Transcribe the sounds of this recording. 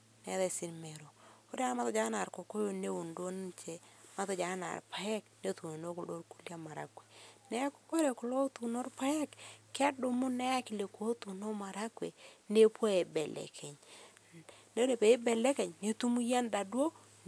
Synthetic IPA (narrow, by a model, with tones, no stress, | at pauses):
nɛ˨˦ðɛ˨sɪ˦nme˨ɾo˨o˦ɾa˦ɾma˦tɔ˦d͡ʒa˦na˨ɾko˨ko˦jo˦ne˦u˨ndo˦n˦t͡ʃe˨ma˦tɔ˦d͡ʒa˨˦na̰˨ɾpa˨jɛ˦kne˦tu˨no˨no˦kʊ˨lo˦ɾku˦lja˦ma˨ɾa̰˨kwe̥˨nɛ˦a˦ko̥˦ko˦ɾe˨kʊ˨lo˦tu˨no˦ɾpa˦jɛ˦kːɪ˦a˦do˨mʊ˦nɛ˦ja˦kɪ˨le˨ko˦t̪u˨no˦ma˨ɾa˦kwḛ˨ne˦pwo˦e˨bɛ˨lɛ̰˨kʰɛ˨ɲ | ne˦o˦ɾe˨pe˨e˦bɛ˨lɛ˦kɛ˨ɲne˦tu˦mu˦ja˦nda˨dwo˦